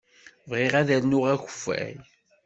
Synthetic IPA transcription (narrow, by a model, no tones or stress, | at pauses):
vʁeʁæðænːʊʁæçə̥fːæ̰j